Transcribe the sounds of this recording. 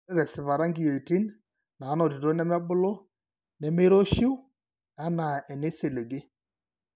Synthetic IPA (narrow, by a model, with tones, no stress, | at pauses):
ɛ˦ɾɛ˨sɪ˨βa˨ɾa˦ŋɡi˨jo˨i˨ti˦n | na˨˦nɔ˨ti˨ɾo˦nɛ˦mɛ˦bʊ˦lɔ˦ | nɛ˨me˦ɾɔ˦ʃi˦u˦ | a˨˦na˨ɛ˨ne˦se˨le˨ɡe˦